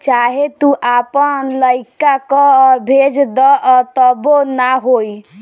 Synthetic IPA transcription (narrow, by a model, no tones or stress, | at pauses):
t͡ʃaɦet̪uʔapənləɪkakɔbʱed͡ʒd̪ɔʔt̪əbonaɦoi